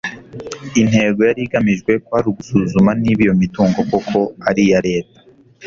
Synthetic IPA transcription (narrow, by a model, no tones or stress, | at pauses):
in̥he̞ːɡo̞jaɾiɡamiʒɡwe̞kohaɾuɡusuzumaniːβijo̞mituːŋɡo̞kokʰo̞aɾijaɾe̞ːtḁ